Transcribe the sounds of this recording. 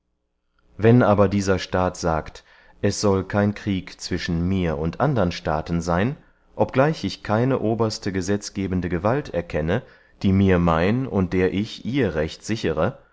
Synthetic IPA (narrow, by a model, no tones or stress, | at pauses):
vɛnʔaːbɐdiːzɐʃtaːtz̥aːkt | ʔɛsz̥ɔlkʰaɪnkʁ̥iːkt͡sv̥ɪʃn̩miːɐʊntʔandɐʁənʃta̰ːtn̩zaɪn | ʔɔp̚ɡ̥laɪçɪçkʰaɪnəʔoːbɐstəɡəzɛt͡sɡ̥eːbən̩dəɡəvaltɛɐkʰɛnə | d̥iːmiːɐmaɪnʊnt̚d̥eːɐʔɪçʔiːɐʁɛçtz̥ɪçəʁə